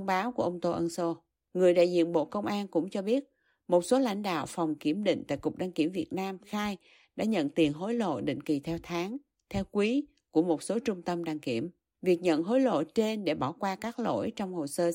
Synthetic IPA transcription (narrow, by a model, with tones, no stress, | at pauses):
ŋ͡mɓaː˨˦wku˧˩əʔə˧wŋ͡mt̪o˧ʔə˧nso˧ | ŋɨ˨˩əjɗa̰ː˧˨jzḭ˧˨ənɓo̰˧˨kə˧wŋ͡mʔaː˧nkʊ̰˧˥ŋ͡mt͡ɕɔ˧ɓi˦˥ət̚ | mo˨˩t̚so˨˦la̰˧˩jŋ̟ɗa̰ː˧˨wfɔ˨˩wŋ͡mki˧˩əmɗḭ˧˨ŋ̟t̪a̰ː˧˨jkʊ˨˩k͡p̚ɗaː˧ŋki˧˩əmvi˨˩ət̚naː˧mxaː˧j | ɗa̰ː˧˥ɲə̰˧˨nt̪i˨˩ənɦo˨˦jlo̰˧˨ɗḭ˧˨ŋ̟ki˨˩t̪ʰɛ˧wt̪ʰaː˨˦ŋ | t̪ʰɛ˧wkwi˨˦ | ku˧˩əmo˨˩t̚so˨˦t͡ɕʊ˧ŋ͡mt̪ə˧mɗaː˧ŋki˧˩əm | vi˨˩ək̚ɲə̰˧˨nɦo˨˦jlo̰˧˨t͡ɕe˧nɗe˧˩ɓɔ˧˩kwaː˧kaː˦˥k̚lo̰˧˥jt͡ɕɔ˧wŋ͡mho˨˩səː˧